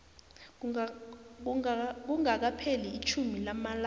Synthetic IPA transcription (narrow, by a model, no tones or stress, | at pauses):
k̬uŋak̬apʰeliit͡ʃʰumilamala